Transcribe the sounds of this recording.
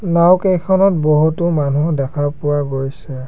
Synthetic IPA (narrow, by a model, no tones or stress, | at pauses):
nawkejkʰɔnɔt̚bɔɦutʊmanudɛkʰaɹpʊwaɡoɹjsɛ